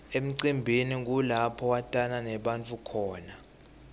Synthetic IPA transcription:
em̩ǀimbʱinik̬ulapʰɔwatʼananɛɓant͡fʰʼukʰɔːna

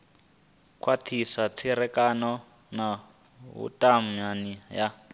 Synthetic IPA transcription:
kʰwatʰisat͡sʰiɾɛkanɔ | na | βṵtʼam̩ɲanija

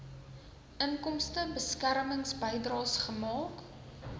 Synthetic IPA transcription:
ʔəŋkɔmstəbəskærməŋsbəjdrɑːsχəmɑːk

